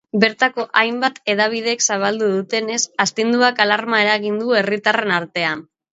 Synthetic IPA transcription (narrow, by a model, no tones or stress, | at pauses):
be̞ɾt̪ako̞ʔajmbat̪e̞ðaβ̞ið̞eksaβ̞ald̪uðut̪e̞ne̞sast̪ind̪uakalaɾmae̞ɾaɣind̪ue̞rit̪are̞naɾt̪e̞an